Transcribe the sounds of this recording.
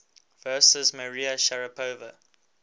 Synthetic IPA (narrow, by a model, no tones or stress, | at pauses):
vɜːsəzməɹiəʃaɹəpʰoːvə